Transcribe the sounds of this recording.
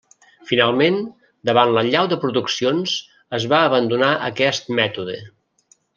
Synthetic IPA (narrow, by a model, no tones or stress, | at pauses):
finalˠmen | d̪əβanləʎawðəpɾuðuksionz̥ | əzβaəβənd̪unaʔə̰kɛst̪̚mɛt̪uðə